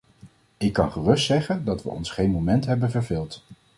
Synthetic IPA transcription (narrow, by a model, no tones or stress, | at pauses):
ɪkːɑnχərɵstsɛχəndɑtʋə̰ɔ̰nsχejnmowmɛntɦɛbənvəɹvɪlˠt